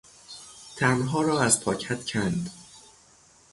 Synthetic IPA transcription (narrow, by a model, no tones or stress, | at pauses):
t̪ʰænɦɒːɾɒːæzpʰɒːcʰæt̪cʰænd̪